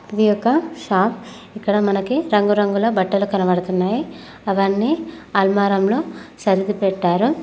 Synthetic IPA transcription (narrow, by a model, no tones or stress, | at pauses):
ɐd̪ijɔkːɐʃaːp | ikːɐɽɐmɐnɐkiɾɐŋɡuɾɐŋɡulɐbɐʈːɐlukɐnɐʋɐɽɐt̪unːaːji | ɐʋɐɳːiɐlmaːɾɐmlo̞ːsɐɾid̪ipɛʈːaːɾu